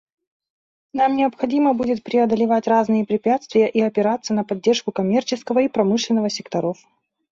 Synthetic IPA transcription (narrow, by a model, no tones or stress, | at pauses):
namnʲɪɐpxɐdʲiməbudʲɪt̪̚pɾʲɪɐd̪əlʲɪvatʲraznɨjəpɾʲɪpʲat̪st̪vʲɪjəʔiɐpʲɪɾat̪sːənəpɐdʲːerʂkʊkɐmʲe̞rt͡ɕɪskəvəipɾɐmɨʂlʲɪnːəvəsʲɪkt̪ɐɾof